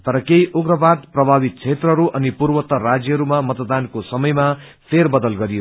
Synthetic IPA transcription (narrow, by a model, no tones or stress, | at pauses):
t̪ʌɾʌkejʔoɡrʌbad̪̚prʌbʱabit̪̚t͡sʰet̪rʌɦɾuʔʌnipurbʌt̪ʌrad͡zjʌɦɾumamʌt̪d̪ankosʌmʌjma | pʰerbʌd̪ʌlɡʌɾijo